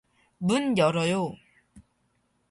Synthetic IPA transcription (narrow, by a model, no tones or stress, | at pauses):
munjʌɾʌjo